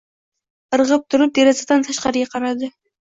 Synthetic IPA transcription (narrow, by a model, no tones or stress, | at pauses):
əɾʁəp̚t̪ʰʊɾɨp̚d̪eɾɑzad̪ant̪ʰaʃqɑɾɡʲaqʰɑɾɑd̪ɨ